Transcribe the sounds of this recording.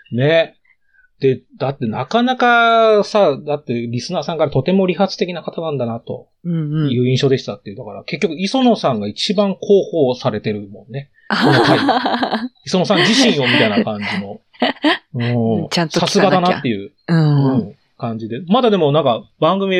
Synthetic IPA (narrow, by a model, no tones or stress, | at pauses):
ne̞ | d̪̥e̞d̪̥at̪ːe̞nakanakasad̪at̪ːe̞ɾʲisɨnaːsãŋkaɾat̪o̞t̪e̞mo̞ɾʲiɦat͡sɨ̥t̪e̞kʲinakat̪anãnd̪anat̪õ̞ | jɯ̟ːĩɰ̃ɕo̞ːd̪e̞ɕi̥t̪at̪ːeɯ̟d̪akaɾake̞kʲːo̞kɯ̟iso̞no̞sãŋɡait͡ɕibãŋkʰo̞ːho̞ːsaɾe̞t̪e̞ɾɯ̟mõ̞nːe̞ | onoai | iso̞no̞s̬ãɲd͡ʑiɕĩɰ̃o̞mʲit̪ainakãɲd͡ʑino̞ | ɯ̟̃ãsasɨɡad̪anat̪ːe̞jɯ̟ | ɯ̟̃ | kãɲ̟d͡ʑid̪e̞mad̪ad̪e̞mo̞nãŋkabãŋɡɯ̟mʲi